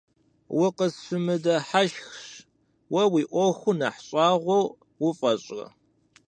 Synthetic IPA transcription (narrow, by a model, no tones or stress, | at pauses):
wʊqəsɨmɨdɐħaʃxɕ | wɐwiːʔʷɔxʷʊnɐħɕʼɑːʁʷow | wʊfʼɐɕʼɐ̰